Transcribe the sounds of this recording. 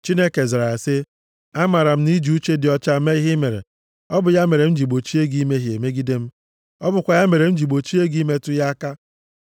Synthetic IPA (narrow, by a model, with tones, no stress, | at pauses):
t͡ʃi˦ne˦ke˨zɾa˨sɪ˦ | a˦ma˨ɾa˨m̩˦ni˦d͡ʒi˨u˦t͡ʃe˦dɪ˨ɔ˨t͡ʃa˦me˦i˦ɦɪ˦me˨ɾḛ˨ | ɔ˦bʊ˨ja˦me˨ɾe˨n̩˦d͡ʒi˨ɡ͡bo˨t͡ʃi˦e˦ɡi˦me˦ɦje˨me˦ɡi˦de˦m̩˦ | ɔ˦bʊ˨kʷa˨ja˦me˨ɾe˨m̩˦d͡ʒi˨ɡ͡bo˨t͡ʃi˦e˦ɡi˦me˦tʊ˦ja˦ka˦